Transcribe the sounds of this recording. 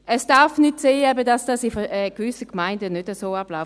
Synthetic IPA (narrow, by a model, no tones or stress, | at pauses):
ʔəsd̥aɐfnʏtseːɛbədasd̥asifɛɡ̥vʏsəkmaɪndənødəsoːablaʊ